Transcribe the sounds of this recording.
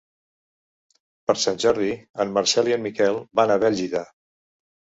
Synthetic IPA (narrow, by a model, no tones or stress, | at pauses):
pəɾsanʲʒɔɾðiənməɾsɛliənmikɛlˠbanəβɛʎiða